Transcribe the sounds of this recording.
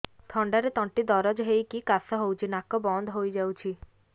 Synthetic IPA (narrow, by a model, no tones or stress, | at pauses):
t̪ʰɔɳɖaɾet̪ɔɳʈid̪ɔɾɔd͡ʒɦejkikasɔɦowt͡ʃʰinakɔbɔnd̪ʱɦojd͡ʒawt͡ʃʰi